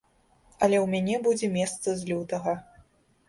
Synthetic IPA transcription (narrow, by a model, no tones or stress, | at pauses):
ɐlʲɛwmʲanʲɛbud͡zʲɛmʲɛst̪sɐzʲlʲut̪ɐɣɐ